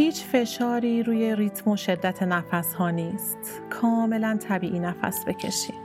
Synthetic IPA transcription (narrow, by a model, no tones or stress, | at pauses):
hiːt͡ʃʰfe̞ʃɒːɾiːɾuːje̞ɾit̪ʰmo̞ʃe̞d̪ːæt̪ʰenæfæshɒːniːst̪ | kʰɒːme̞lænt̪ʰæbiːʔiːnæfæ̰sbe̞cʰe̞̰ʃḭːm